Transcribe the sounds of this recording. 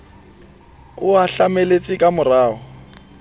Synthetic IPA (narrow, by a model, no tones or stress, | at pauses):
ʊaɬamelet͡sʼɪkʼamʊraːɦɔ